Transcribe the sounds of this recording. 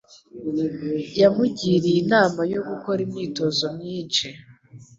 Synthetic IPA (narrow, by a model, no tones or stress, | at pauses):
jamuɟiɾijinaːmajo̞ɡuko̞ɾimɲiːto̞zo̞mɲiːnt͡ʃe